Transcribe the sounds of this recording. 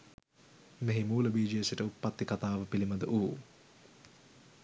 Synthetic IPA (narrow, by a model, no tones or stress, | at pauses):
meɦimuːləbiːd͡ʒiesiʈəupːat̪ːikat̪aːʋəpiliməd̪əʔuː